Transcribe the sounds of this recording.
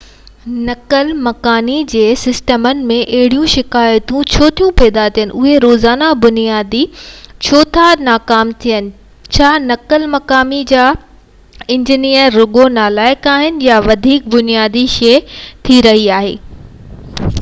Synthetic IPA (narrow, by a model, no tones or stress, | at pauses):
nɐkəlmɐkaːnid͡ʑeːsɪsʈəmənɪ̆mẽʔɐɦɪɽijũʃɪkaːjt̪ũt͡ɕʰoːt̪ʰijũpɛːd̪at̪ʰijən̆ʔʊɦeɾoːzaːnabʊnijaːd̪it͡ɕʰoːt̪ʰanaːkaːmt̪ʰijənɪ̆ | t͡ɕʰaːnɐkəlmɐkaːmid͡ʑaː | ɪ̃ɲd͡ʑinijəɾːʊɠonaːlaːɪkaːɦɪnɪ̆jaʋɐd̪ʱiːk̚bʊnijaːd̪iʃɛːt̪ʰiɾɐɦiaːɦḛː